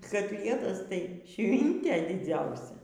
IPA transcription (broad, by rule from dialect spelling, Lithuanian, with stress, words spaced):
kɐˈtʲlʲiɛtɐs tɐɪ ˈʃʲʋʲɪnʲtʲeː dʲɪˈd͡zʲɛʊsʲɛ